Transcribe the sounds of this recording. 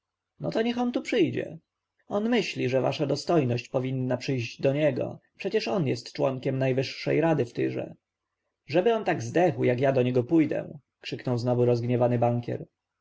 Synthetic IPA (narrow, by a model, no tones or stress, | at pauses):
nɔt̪ɔɲɛxɔnt̪upʂɘjd͡ʑɛ̰ | ɔnmɘɕlʲiʐɛva̰ʂad̪ɔst̪ɔjnɔɕt͡ɕpɔvʲinːapʂɘjʑd͡ʑd̪ɔɲɛɡɔ̰pʂɛt͡ɕɛʂɔnjɛst̪t͡ʂwɔŋkʲɛmnajvɘʂːɛ̰jɾad̪ɘft̪ɘ̰ʐɛ̰ | ʐɛbɘɔnt̪aɡzd̪ɛxwjakjad̪ɔɲɛɡɔpujd̪ɛ̰ | kʂɘknɔwznɔvuɾɔzɡɲɛvanɘbaŋkʲjɛ̰ɾ